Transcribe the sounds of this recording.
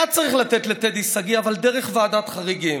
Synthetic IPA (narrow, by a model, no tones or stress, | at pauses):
ad̚t͡saʁiχlat̪et̪let̪ed̪isaɡiavald̪eʁeχvaːd̪at̪χaʁiɡim